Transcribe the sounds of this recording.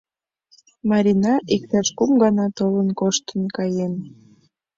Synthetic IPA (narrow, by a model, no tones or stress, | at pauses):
mɑɾʲinɑʔikt̪ɑʃkumɡɑnɑt̪olənkoʃt̪ənkɑjen